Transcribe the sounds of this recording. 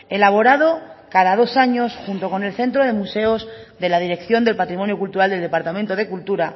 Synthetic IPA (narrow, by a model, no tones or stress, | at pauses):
elaβ̞o̞ɾað̞o̞kaðaðo̞saɲo̞sxunt̪o̞ko̞ne̞lθe̞nt̪ɾo̞ðe̞muse̞ozðe̞laðiɾe̞kθjo̞nd̪elpat̪ɾimonjokult̪uɾald̪e̞ld̪e̞paɾt̪amẽnt̪o̞ð̞e̞kult̪uɾa